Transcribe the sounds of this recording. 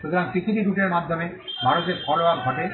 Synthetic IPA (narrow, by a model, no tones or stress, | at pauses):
ʃut̪oɾaŋtikʰiʈiɖuʈeɾmad̪ʱːome | bʱaɾot̪eɾfʰɔloabɡʱɔʈe